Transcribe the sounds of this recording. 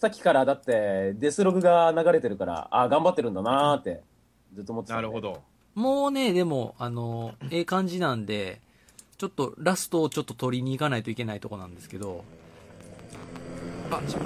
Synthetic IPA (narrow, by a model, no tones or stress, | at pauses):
sakʲi̥kaɾad̪at̪ːe̞d̪e̞sɨɾo̞ɡɯ̟ɡanaɡaɾe̞t̪e̞ɾɯ̟kaɾa̰aɡãmbat̪ːe̞ɾɯ̟nd̪anat̪ːe̞ | d͡zɨt̪ːomot̪eaɾɯhod̪o | moːne̞d̪e̞mo̞̰ano̞eːkãɲ̟d͡ʑinãnd̪e̞ | t͡ɕo̞t̪ːo̞ɾasɨ̥t̪o̞ːt͡ɕo̞t̪ːot̪o̞ɾʲiɲ̟iːkanait̪o̞ikʲe̞nait̪o̞ko̞nã̰nd̪e̞sɨ̥ke̞d̪o̞̰ | a